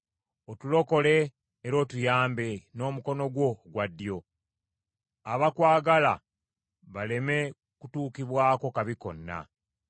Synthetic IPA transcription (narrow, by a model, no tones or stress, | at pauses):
otulo̞ko̞le̞ː | ɾo̞ːtujaːmbe̞no̞ːmuko̞no̞ɡwo̞ɡwadːjo̞ | aβakwaːɡala | βale̞me̞ | kutuːkiβwaːko̞kaβiko̞̰nːa̰